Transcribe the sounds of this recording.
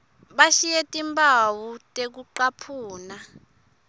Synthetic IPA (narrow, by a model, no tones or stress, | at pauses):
ɓaʃijetʼimbawutʼek̬uǃapʰuːna